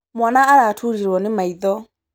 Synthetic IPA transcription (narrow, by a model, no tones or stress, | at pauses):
mwanaːɾaːtʰuɾiɾwɔnɪmaiðɔ